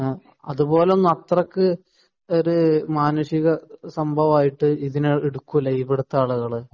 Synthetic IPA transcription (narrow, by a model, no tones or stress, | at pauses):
ɐ̰ðupo̞ːlenːɐt̪rɐkːɨ | oɾumaːnɐʂiɣɐsɐmbʱɐʋaːjiʈːɨiðineeɽukːulːɐibeɽut̪ːaːɭuɣɐɭ